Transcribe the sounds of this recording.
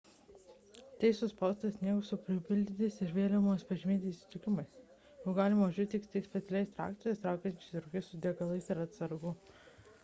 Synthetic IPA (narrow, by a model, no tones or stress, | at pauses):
t̪ʲɛɪsʊspɐˑʊst̪ɐsʲnʲiɛɡʊsʊpʲɾʲɪpʲɪlʲd̪ʲɪt̪ʲɪsɪɾʋʲeːlʲomoːspɐʒʲɪmʲiːt̪ʲɪsʲt̪ʲɪkʲɪmɐɪs | oːɡɑːlʲɪmɐʒʲʊt̪ʲɪkst̪ɐɪsʲpʲɛt̪sʲɛlʲɛɪst̪ɾɑ̰ːk̚t̪ʲijost̪ɾɑˑʊkʲɛnʲt͡ʃʲɪsɾʊkʲɛɪssʊd̪ʲeɡɐlˠɐɪsɪɾɐt̪sɐɾɡʊ